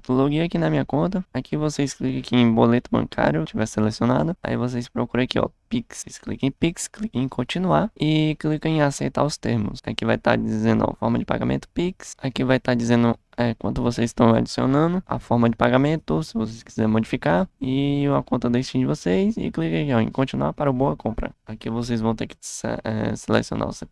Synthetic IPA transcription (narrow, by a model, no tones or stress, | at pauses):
t̪loɡiakinɐmĩɲɐkõnt̪ɐakʰivosesklikɐ̃kiẽj̃bolet̪ʊbɐ̰̃kʰa̰ɾjʊt͡ʃivɛselesionad̪ʊa̰ḭvos̬ejspɾokuɾɐ̃akiɔ̰piksesklikẽpiksklikɐ̃ẽkʰõt͡ʃĩnuaɪklikɐ̃ẽasejt̪a̰ʊst̪eɾmʊ̰sa̰kivajt̪a̰d͡ʒizẽnd̪ʊa̰fɔɾmɐd͡ʒɪpa̰ɡa̰mḛ̃nt̪ʊ̥piksakivajt̪ad͡ʒizẽnd̪ʊ | ɛkwɐ̃t̪ʊvosejzɪst̪ɐ̃w̃a̰d͡ʒisio̰nɐ̃d̪ʊa̰fɔɾmɐd͡ʒɪpaɡamẽt̪ʊsɪvos̬eski̥zɛɾmod͡ʒifikaɾɪuɐkõnt̪ɐd̪est͡ʃĩnd͡ʒɪvosejsɪ̰klikɐ̃kɔḛ̃kõt͡ʃinua̰paɾʊboɐkõmpɾɐ̰akivos̬ejzvɐ̃w̃t̪eɾkɪ̥sɛ̰selḛsio̰na̰se